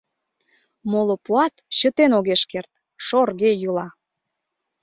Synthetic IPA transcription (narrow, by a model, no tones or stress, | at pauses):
molopuɑt̪ɕət̪enoɣeʃkert̪ | ʃorɣejulɑ